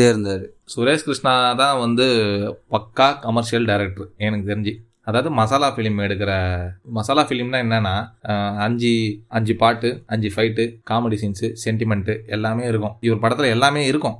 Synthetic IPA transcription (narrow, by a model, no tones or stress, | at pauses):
seːɾɯnd̪aːðɯ | sʊɾeːskɾɪʂɳaːt̪ãːʋɐnd̪ɯpɐkːaːkɐmɐɾʂɪjɐlɖɐɪɾɛk̚ʈɐɾɛnɐkːɯt̪ɛɾɪɲd͡ʒi | ɐðaːʋɐðɯmɐsaːlaːfɪlmɛɽɯk̬ːɪɾɐmɐsaːlaːfɪlmt̪ãːɛnːɐnːaːɐɲd͡ʒiɐɲd͡ʒipaːʈːɯɐɲd͡ʒifɐɪʈːɯkaːmeɽɪsɐɪnsɯsɛɳʈɪmɛɳʈɯɛlːaːmeːɪɾɯk̬ːʊ̃ɪʋɐɾpɐɽɐt̪ːɪlɐɛlːaːmeːɪɾɯkːʊ̃